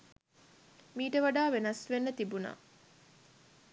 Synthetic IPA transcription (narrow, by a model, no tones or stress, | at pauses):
miːʈəʋaɖaːʋenɐsʋenːət̪ibuna̰ː